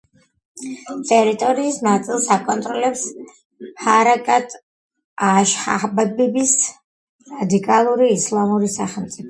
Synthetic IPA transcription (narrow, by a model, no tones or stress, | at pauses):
t̪ʼɛɾit̪ʼɔɾiːsnat̪sʼilˠsakʼɔnt̪ʼɾɔlɛps | haɾakʼat̪ʼ | aʃha̰hbɛbibis | ɾad̪ikʼalˠuɾiːslˠamuɾisaχɛlˠmt̪sʼipʰɔ